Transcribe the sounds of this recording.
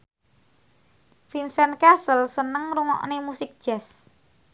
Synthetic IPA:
finsɛnkasəlsənəŋɾuŋɔ̰ʔnemusɪk̚d̥ʒ̥as

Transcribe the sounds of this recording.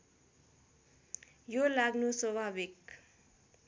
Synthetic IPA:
jolaɡnuswʌbʱabik

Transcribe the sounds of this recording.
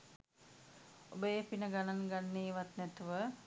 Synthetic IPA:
obəjepinəɡanaŋɡanːeːʋat̪nɛt̪uʋə

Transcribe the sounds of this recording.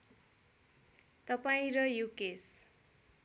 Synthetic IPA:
t̪ʌpaĩɾʌjukes

